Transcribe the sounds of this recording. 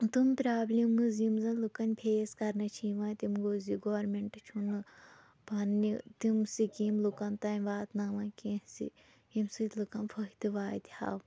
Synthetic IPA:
t̪umpɾaːblʲimɨzjimzɐlukɐnʲpʰeːskɐɾnɐt͡ʃʰiːʋɐt̪imɡoːziɡoːɾmeɳʈɨt͡ʃʰunɨ | pɐnːit̪imsikimlukɐnt̪ɐmʲʋaːt̪naːmɐ̃nkẽsḭ | imsɨt̪ʲlukɐnpʰɐit̪ɨʋaːt̪ʲha̰ːw

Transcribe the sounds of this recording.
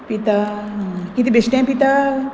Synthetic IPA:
pit̪aɦkit̪ibesʈãpit̪a

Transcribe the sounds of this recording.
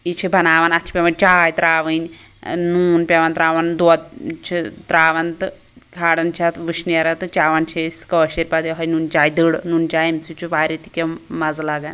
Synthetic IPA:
it͡ʃʰibʱɐnaːʋanɐt͡ʃʰi̥pʲeʋɐnt͡ʃaːjt̪ɾaːʋɨnʲ | nuːnpʲeʋant̪ɾaːʋɐnd̪ɔd̪̚t͡ʃʰit̪ɾaːʋɐnt̪ɨ | kʰaːɽɐnt͡ʃʰat̪ʋɨʃnijɐɾɐt̪ɨt͡ʃaːʋɐnt͡ʃʰesʲkɐʋɐʃiɾʲpad̪iɦɐjnuːnt͡ʃaːjd̪ɨɽnunt͡ʃaːjimt͡sʰit͡ʃʰuʋaːɾʲit̪i̥kʲemɐzlaɡan

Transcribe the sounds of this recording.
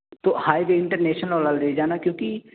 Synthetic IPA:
t̪ohaːjdeɪ̃ɳʈəɾneːʃnəlolaːld̪eːd͡ʒaːnakjõːki

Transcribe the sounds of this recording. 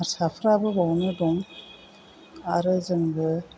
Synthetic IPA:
aɾsapʰɾabɯbɔwnɯdɔŋ | aɾɯzɯŋbɯ

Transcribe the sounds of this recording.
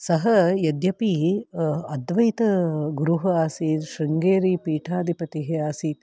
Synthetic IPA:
sɐɦɐjɐd̪jɐpi | ɐd̪ʋɐjt̪ɐɡuɾuɦɐaːsiːt̪ʃɾɐŋɡeːɾiːpiːʈʰaːd̪ʱipɐt̪iɦeaːsiːt̪̚

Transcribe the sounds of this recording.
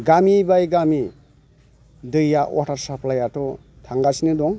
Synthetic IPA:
ɡamibajɡami | dɯjːaʔɔ̰tʰaɾsaplajatɔ | tʰaŋɡasinɯdɔŋ

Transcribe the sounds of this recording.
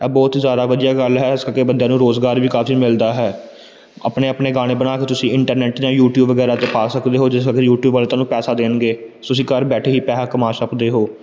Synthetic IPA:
ɛːbɔːt̪zjaːd̪aːʋəd̪ijaːɡəlɦɛːɪskəkeːbənd̪ejãːnũːɾoːzɡaːɾʋiːkaːfʰiːmɪld̪aːɦɛː | ə̰pneːəpneːɡaːɽ̃eːbənaːkeːt̪ʊsĩːɪɳʈəɾnɛːʈd͡ʒãːjuːʈjuːbʋəɡɛːɾaːt̪eːpaːsəkd̪eːɦoːd͡ʒɪskəkejuːʈjuːbʋəlt̪ãːnũːpɛːsaːd̪eːnɡeː | ʊsĩːkəɾbɛːʈʰeːɦiːpɛːɦaːkəmaːsəpd̪eːɦoː

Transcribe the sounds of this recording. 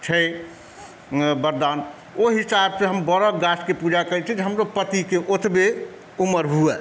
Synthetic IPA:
t͡ʃʰə | bəɾd̪an | oɦisabseɦəmbəɾɔɡaskepud͡ʒakəjt͡ʃʰid͡ʒeɦəmɾopət̪ikeʔot̪ʰbe | uməɾɦuɛ

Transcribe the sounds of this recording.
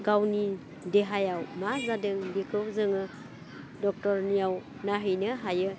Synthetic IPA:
ɡawni | deɦajawmazadɯŋɡikʰɯwzɯŋɯ | dɔk̚tɔɾnijawnaɦɯjnɯɦajɯ

